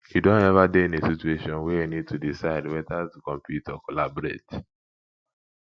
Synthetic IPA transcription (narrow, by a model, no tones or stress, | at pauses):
hidõnɛvadeĩnesitueʃɔ̃nwɛjinid̚tʰudisaɪdwɛðazkɔ̃mpʰjutɔkɔlabɔɾet